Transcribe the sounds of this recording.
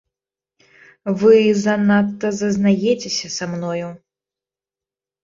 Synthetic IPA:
vɨzɐnat̪ːɐzɐznajɛt͡sʲesʲɐsamnɔju

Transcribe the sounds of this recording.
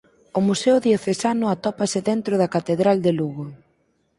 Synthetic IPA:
ʊmuseʊðjoθesanʊat̪ɔpasɪðɛnt̪ɾʊðɐkat̪eðɾald̪eluɣo

